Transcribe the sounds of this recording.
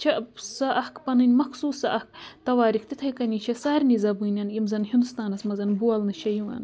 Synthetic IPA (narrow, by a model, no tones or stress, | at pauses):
t͡ʃʰɐsɐʔɐhkpɐnɨnʲmɐksuːsɐʔɐhk̚t̪ɐwaːɾikʰt̪it̪ʰɐjkɐnʲit͡ʃʰɐsaːɾnizɐbunʲɐnjimzɐnhind̪ust̪aːnɐsmɐzɐnbuɐlnɨʃɐjiwɐ̰n